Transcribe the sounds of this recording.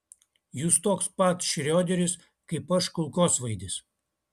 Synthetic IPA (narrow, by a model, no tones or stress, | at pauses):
just̪oːkspɐt̪sʃʲɾʲoːd̪ʲɛɾʲɪs | kɐɪpɐʃkʊlˠkoːsʋɐɪd̪ʲɪs